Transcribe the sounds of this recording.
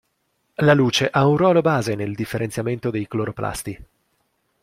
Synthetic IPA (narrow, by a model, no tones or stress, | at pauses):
laluːt͡ʃeʔaunrɔːlobaːzeneld̪ifːeɾent̪sjament̪od̪ejkloɾoplʔa̰st̪i